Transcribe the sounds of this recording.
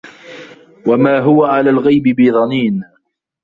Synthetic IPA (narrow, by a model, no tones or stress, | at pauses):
wamaːɦʊwaʕalaːlɣajbɪbiðˤɑniːn